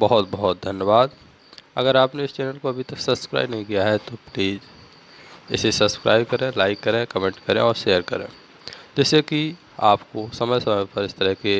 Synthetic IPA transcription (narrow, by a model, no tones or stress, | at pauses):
bɐɦʊt̪bɐɦʊt̪̚d̪ʱɐnjəbaːd̪ | ɐ̰ɡəɾaːpneɪst͡ʃɛːnəlkoɐbʱit̪ɐksɐbskɾa̰ːɪbnɐɦĩkijaɦɛt̪opliːz | ɪ̰sesɐbskɾa̰ːɪbkɐɾẽlaːɪkːɐɾẽkəmẽːɳʈkɐɾẽɔːɾʃeːjəɾkɐɾḛ̃ː | d͡ʒɛːseki | a̰ːpkosɐməjsɐməjpɐɾɪst̪əɾəɦke